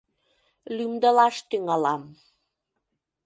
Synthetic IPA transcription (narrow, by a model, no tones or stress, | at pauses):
lymd̪əlɑʃt̪yŋɑlɑm